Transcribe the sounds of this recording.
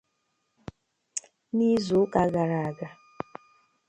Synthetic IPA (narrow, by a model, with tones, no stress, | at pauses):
ni˦zo˨˦ka˨˦ɡa˨ɾa˨a˨ɡa˨